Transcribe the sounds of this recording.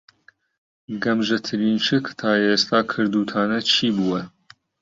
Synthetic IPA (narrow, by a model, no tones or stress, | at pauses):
ɡɐmʒɐt̪ʰɨɾiːnt͡ʃɨkt̪ʰaːeːst̪ʰaːkʰɨɾd̪uːt̪ʰaːnɐt͡ʃʰiːbuwɐ